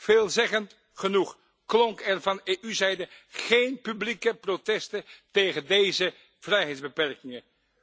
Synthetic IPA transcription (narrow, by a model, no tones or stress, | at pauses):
v̥eːlˠzɛχənt | χənuχ | klɔŋkɛrvɑneːʔyzɛjdəχejnpyblikəprotɛstətejχəndejzə | v̥rɛjɦɛjtdzbəpɛɹkɪŋə